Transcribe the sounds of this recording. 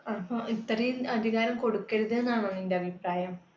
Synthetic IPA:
ɐpːɐit̪ːɐrɐjilɐd̪ʱiɣaːɾɐmko̞ɽukːe̞ɻuðenːaːɳɐnːinde̞ɐbʱipraːjɐm

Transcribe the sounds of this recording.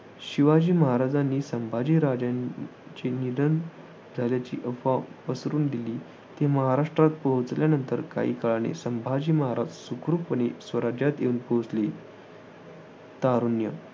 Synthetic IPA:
ɕiʋad͡ʑiːməɦaɾad͡zanːiːsəmbʱad͡ʑiːɾad͡ʑã | t͡ɕinid̪ən | d͡zʱaljat͡ɕḭːʔəfapəsɾuːnd̪iliː | t̪eməɦaɾaʂʈɾat̪̚pəɦut͡sljanənt̪əɾka̰ḭːkaɭanḛsəmbʱad͡ʑiːməɦaɾad͡zsukɾupʋənesʋəɾad͡ʑjat̪jḛunpəɦut͡sli | t̪aɾunjə

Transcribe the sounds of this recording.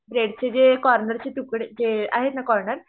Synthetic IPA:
bɾeɽt͡ɕed͡ʑekɔɾnəɾt͡ɕet̪ukɽd͡zea̰ɦet̪nakɔɾɳəɾ

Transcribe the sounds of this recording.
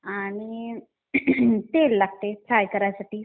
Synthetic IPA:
aɽ̃i | t̪elːaɡ̚t̪et͡sʰajkəɾajasaʈiː

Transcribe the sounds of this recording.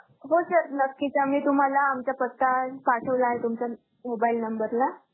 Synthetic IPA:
ɦosəɾnəkːit͡ɕamiːt̪um̤alaːmt͡ɕapət̪ːapaʈʰəʋlaːɦet̪umt͡ɕa | mobailnəmbəɾla

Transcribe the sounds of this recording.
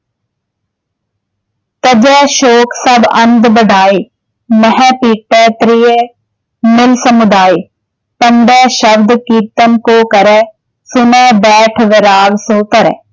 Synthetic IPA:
t̪ɐd͡ʒɛːʃoːksɐbɐ̃nd̪bəɖʱaːeː | mɐɦɛ̃ːpiːk̚ʈɛːt̪ɾije | mɪlsəmʊd̪aːi | pɐnd̪ɛːʃɐbd̪kiːɾt̪əmkoːkɐɾɛː | sʊnɛːbɛːʈʰʋɪɾaːlsõːk̪ɐɾɛ̰ː

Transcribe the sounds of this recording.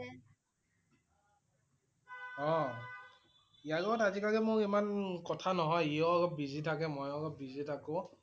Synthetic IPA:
ɔ | ijalɔɡɔtazikaɡɛmʊɹimankɔtʰanɔɦɔjiɔɔɡɔp̚bizitʰakɛmɔjɔɡɔp̚bizitʰakʊ̃

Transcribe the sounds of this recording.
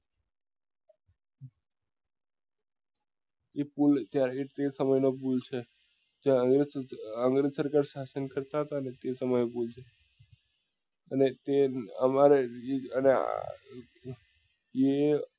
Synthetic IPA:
epult̪jaɾeʈt̪esəməjnopult͡ʃʰe | d͡ʒeãɡɾeəŋɡɾed͡ʒsəɾkaɾʃasənkəɾt̪aɦət̪aənet̪esəməjopult͡ʃʰe | ənet̪eəmaɾeəne | je

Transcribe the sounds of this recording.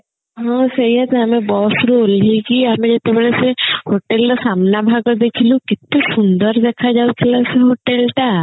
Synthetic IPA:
ɦɔ̃sɐɦiɦɛt̪aəmẽbɔːsuɾuoliikiamẽd͡ʒet̪ebəɭesehoʈelɾɔsamnabʱaɡɔd̪ekʰilũkɪt̪ːesund̪əɾd̪ekʰad͡ʒaut̪ʰilaseɦoʈelʈa

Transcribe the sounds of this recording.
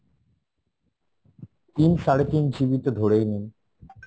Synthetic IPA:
t̪inʃaɽet̪ind͡ʑibit̪od̪ʱoɽejnen

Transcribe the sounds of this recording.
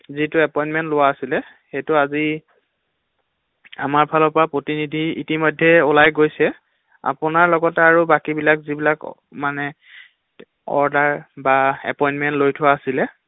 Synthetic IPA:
zitʊɛpɔjnmɛntlʊwaːsilɛ | xejtʊazi | a̰maɹpʰalɔpɔɹapɹotinidʱiḭtimɔjdʱːɛʊlajɡojsɛ | a̰pʊnaɹlɔɡɔtɛaɹubakibilakzibilak | manɛ | ɔ̰ɹdaɹbaɛ̰pɔjnmɛntlojtʰʊaːsilɛ

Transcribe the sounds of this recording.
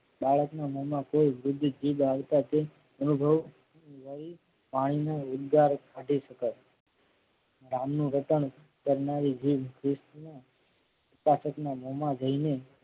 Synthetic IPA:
baɭəknaməmakoiʋɾʊd̪ʱːd͡ʒiʋaʋt̪at̪e | ənubʱəʋ | nʋəɾi | paɽ̃inaʊd̪ɡaɾkʰãʈiʃəkət | ɾamnũɾət̪əɳ̃ | kəɾnaɾid͡ʒiʋkʰɾɪst̪na | ʊpasəknaməmad͡ʒəine

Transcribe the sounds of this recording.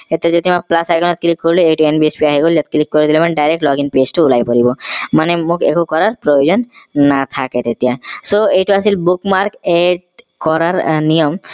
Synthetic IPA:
et̪ijad͡ʒod̪imaplasaɡɔnɔt̪̚klikːoɾileejʈuenbiespiaɦiɡoliat̪̚klikːoɾed̪ilomanɖajɾek̚ʈlɔɡinpesʈuulajpoɾibɔmanemokḛkokɔɾaɾpɾojod͡ʑɔnːat̪ʰaket̪et̪ijasoejʈuasilbukmaɾkeɖ | kɔɾaɾnijɔm

